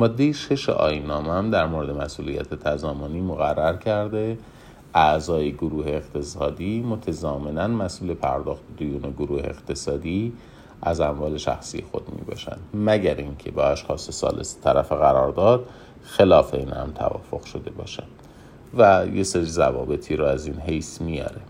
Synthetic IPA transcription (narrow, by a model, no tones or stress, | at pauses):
mɒd̪ːe̞jeʃe̞ʃḛʔɒ̰ːjinːɒːmeæmd̪æɾmoɾed̪e̞mæsuːlḭjæ̰t̪ʰet̪ʰæzɒːmoniːmoɣærːæɾcʰæɾd̪e̞ | ʔæʔzɒːjeɡoɾuːheːɣt̪ʰe̞sɒːd̪iːmot̪ʰæzɒːme̞nænmæsʔuːle̞pʰæ̰ɾd̪ɒːxt̪ed̪ojuːneɡoɾuːhe̞̰ːɣt̪ʰe̞sɒːd̪iː | ʔæzæɱvɒːle̞ʃæ̰xsḭje̞̰xo̞̰d̪mḭːbɒ̰ːʃæ̰nd̪mæɟæɾiŋcʰe̞bɒːæʃxɒːsesɒ̰ːlʔḛst̪ʰæɾæfeɣæɾɒːɾd̪ɒːd̪ | xelɒːfeiːnhæ̰mt̪ʰæ̰vɒ̰ːfo̞ɣ̥ʃo̞d̪e̞bɒ̰ːʃænd̪̥ | væjeseɾizæ̰vɒːbe̞t̪ʰiːɾoæzinɦejsmijɒ̰ːɾe